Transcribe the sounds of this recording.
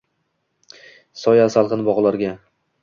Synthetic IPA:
sɒjasalˠqɨnbɒʁlˠaɾɡʲa

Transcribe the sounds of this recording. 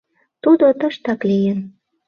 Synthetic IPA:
t̪ud̪ot̪əʃt̪ɑklijen

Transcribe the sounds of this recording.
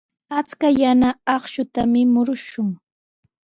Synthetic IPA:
at͡skajanaɑχʃʊt̪amɪmʊɾʊʃʊŋ

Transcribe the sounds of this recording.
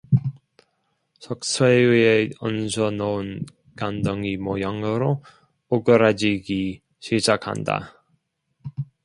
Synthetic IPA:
sʰʌk̚sʰeieʌnsʰʌnʌɯn | kandʌŋimwʌjaŋɯɾo | oɡɯɾad͡ʑiɡi | ɕʰid͡ʑakʰa̰nda̰

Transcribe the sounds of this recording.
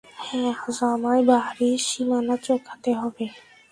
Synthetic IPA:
hɛ̃azamaebaɦɾiʃimanat͡ɕokʰːat̪eɦɔbe

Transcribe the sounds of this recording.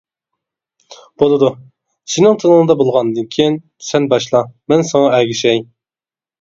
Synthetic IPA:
b̥olˠɨd̪u | sinɪŋt̪ʰɨnəŋɨd̪ɑbolˠʁɑnd̪ɨnkʲʰijin | sɛnbɑʃlˠɑmɛnsɑŋɑɛɡʲiʃɛj

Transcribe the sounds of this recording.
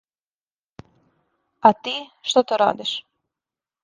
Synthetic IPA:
at̪iʃt̪ɔt̪əɾa̰d̪iʃ

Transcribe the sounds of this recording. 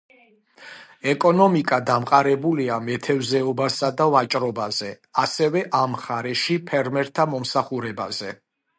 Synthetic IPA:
ɛkʼɔnɔmikʼad̪amqʼaɾɛbuliamɛt̪ʰɛvzɛɔbasad̪avat͡ʃʼɾɔbazɛ | asɛvɛʔamχaɾɛʃipʰɛɾmɛɾt̪ʰamɔmsaχuɾɛba̰zɛ

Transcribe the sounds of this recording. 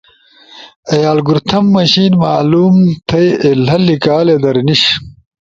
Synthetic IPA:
ɐjaːlɡuɾt̪ʰɐmːɐɕiːnmaːluːmt̪ʰɐjelɐlikaːled̪ɐɾniɕ

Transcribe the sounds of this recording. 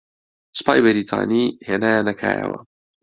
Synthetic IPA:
spaːjbɐɾit̪ʰa̰ːniheːnaːjaːnɐkʰaːjəwɐ

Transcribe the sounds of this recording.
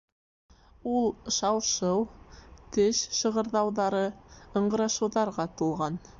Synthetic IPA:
ulˠʃɑwʃɤwt̪ɘʃʃɤ̆ʁɤ̆ɾðɑwðɑɾɤɤ̆ɴɢɤ̆ɾɑʃɤ̆wðɑɾʁɑt̪ulˠʁɑn

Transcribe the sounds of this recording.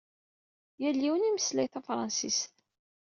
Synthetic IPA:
jælːiwəniməslæjθæfɾˤɑnsis

